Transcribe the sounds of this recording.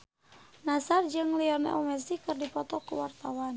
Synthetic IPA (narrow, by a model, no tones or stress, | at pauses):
nasard͡ʒɨŋliɔrnɛ̰ʔɔmɛsikɨrdipɔt̪ɔkṵwart̪awan